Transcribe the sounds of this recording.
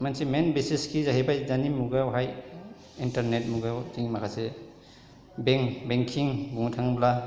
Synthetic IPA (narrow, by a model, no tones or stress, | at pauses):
mansimenbesiskʰizaɦebajzanimuɡawɦaj | intaɾnet̚muɡawtiŋmakʰase | beŋbeŋkʰiŋbuŋtʰaŋbla